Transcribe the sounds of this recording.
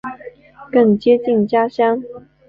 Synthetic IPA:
kə˥˩ŋt͡ɕjɛ˥t͡ɕi˥˩nt͡ɕja˥ɕjɑ˥ŋ

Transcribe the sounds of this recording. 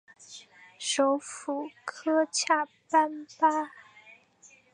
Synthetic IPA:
ʂo˧˥ʊfu˨˩kʰɤ˥t͡ɕʰja˥˩ | pa˥npa˥

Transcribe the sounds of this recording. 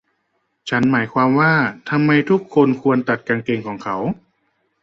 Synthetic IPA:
t͡ɕʰa˦˥nmaː˩˦jkʰwaː˧mwaː˥˩t̪ʰa˧mːa˧jt̪ʰu˦˥˩kʰːo˧nkʰu˧ənt̪a˨˩t̪̚kaː˧ŋkeː˧ŋkʰɔː˩˦ŋkʰa˩˦w

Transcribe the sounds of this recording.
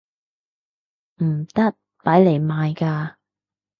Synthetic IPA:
m̩˨˩t̪ɐ˥t̚paː˨˥jle˨˩jmaː˨jkaː˧

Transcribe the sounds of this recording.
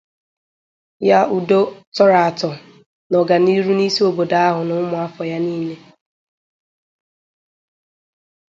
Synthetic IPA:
ja˦u˨do˦tɔ˦ɾa˨a˨tɔ˨ | nɔ˨ɡa˨ni˦ɾu˦ni˦si˦o˨bo˨da˨˦a˦ɦʊ˨nʊ˦mʊ˨˦a˦fɔ˨ja˦niː˦le˦

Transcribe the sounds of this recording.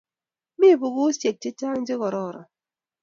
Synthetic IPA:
mi˦˨bu˨ɣu˦sje˨k̚ti˦taː˦n̩˦d͡ʒi˦ɣɔ˨ɾɔ˦˨ɾɔ̰˨

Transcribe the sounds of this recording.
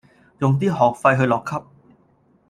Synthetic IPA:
jʊ˨ŋt̪̬iː˥ɦɔː˨˩k̚fɐ˧jɦɵ˧jlɔː˨kʰːɐ˥p̚

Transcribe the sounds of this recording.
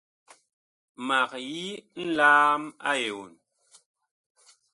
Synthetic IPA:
ma˨k̚ji˦n̩˦laː˦ma̰˦je˨wu˨n

